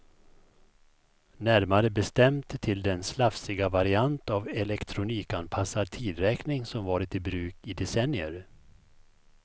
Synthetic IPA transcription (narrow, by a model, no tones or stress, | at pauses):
næɾmaɾəbɛst̪ɛmt̪t̪ʰːɪld̪ɛnslafsɪɡavaɾɪant̪avɛlɛkt̪ʰɾʊniːkanpʰasːat̪ʰiːd̪ɾɛːknɪŋsɔmvɑːɾɪt̪ɪbɾʉ̟ːkɪd̪ɛsɛnːɪə̰ɾ